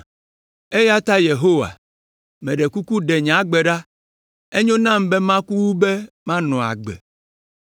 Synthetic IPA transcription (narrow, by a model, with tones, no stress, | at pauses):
e˦ja˦t̪a˦je˨ɦo˦wa̰˨ | mɛ̃˨ɖe˨ku˦ku˦ɖe˨ɲã˨˦ɡ͡be˨ɖa˦ | e˦ɲõ˦nã˦mbe˦mã˦ku˦wu˦be˦ | mã˦nɔ̃˨a̰˨ɡ͡bɛ̰˨